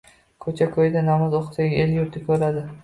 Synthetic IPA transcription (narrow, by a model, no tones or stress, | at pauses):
kʰɵt͡ʃʰakʰojd̪anamazoqʰɨ̥saɡʲeljʊɾt̪ʰɪkʲʰɵɾad̪ɪ